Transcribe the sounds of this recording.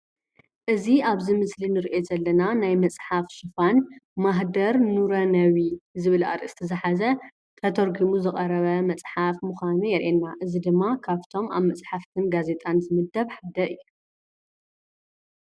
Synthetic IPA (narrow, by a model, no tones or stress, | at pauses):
ʔɨziaβzimɨslinɨɾiʔezɐlːɐnanajmɐt͡sʼħafʃɨfanmaɦd̪ɐɾnuɾɐnɐwizɨβɨlʔa̰ɾɨst̪ʰɐzɨħazɐ | t̪ʰɐt̪ʰoɾɡimuzɨχʼɐɾɐβɐmɐt͡sʼħafmuxʷanujɛɾʔenːaʔɨzid̪ɨmːakʰaβt̪ʰo̞ma̰βmɐt͡sʼħaft̪ʰɨnɡaze̞t̪ʼanzɨmɨd̪ːɐβħad̪ɐɨjːu